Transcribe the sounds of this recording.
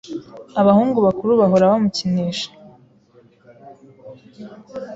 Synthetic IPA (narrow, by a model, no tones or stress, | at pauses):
aβahuːŋɡuβakuɾuβaɦoɾaβamucineːʃḁ